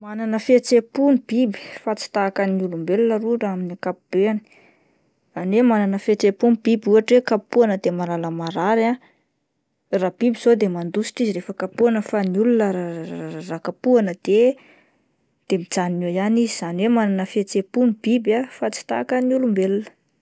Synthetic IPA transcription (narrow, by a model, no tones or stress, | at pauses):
mananəfet͡sepunib̥ibi̥fat͡si̥t̪akəniulumbelunəruɖ͡ʐaminakapub̥eani̥ | anwemananəfet͡sepunib̥ibuaʈ͡ʂwekapuanəd̪emalaləmaɾaɾa | rab̥ibizod̪emand̪usi̥ʈ͡ʂiziɾefəkapuanəfaniulunəarakapuanəd̪̥e | d̪̥emid͡zaniojanizizanwemananəfet͡sepunib̥ibafat͡si̥t̪akəniulumbelunə̥